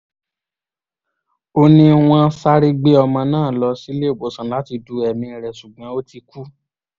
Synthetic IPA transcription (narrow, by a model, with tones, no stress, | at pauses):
o˧nĩ˦w̃ɔ̃˧˦sa˦ɾi˧ɡ͡be˦ɔ˧mã˧nãː˦˨lɔ˧˦si˦le˦˨ɡ͡bo˨sã˨la˨˦ti˧du˧ɛ˨mĩ˧˨ɾɛ˨su˨ɡ͡bã˨˦o˦ti˧ku˦